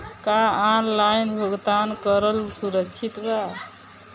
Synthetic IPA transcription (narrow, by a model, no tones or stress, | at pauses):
kaanlajnbʱəɡt̪ankəɾəlsuɾəkt͡ʃʰit̪ba